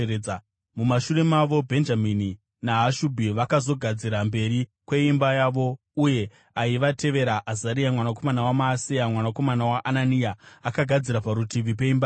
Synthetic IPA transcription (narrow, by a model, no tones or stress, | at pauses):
mumaʃure̞maʋo̞bʱe̞nd͡ʒamini | naɦaʃubʱiʋakazo̞ɡʱad͡ziɾambe̞ɾikwe̞imbajaʋo̞ | uje̞ | aiʋatʰe̞ʋe̞ɾaʔazaɾiamwanak̬o̞manawamaːsiamwanako̞manawaʔananijaːkaɡʱad͡ziɾapaɾutiʋip̬e̞imba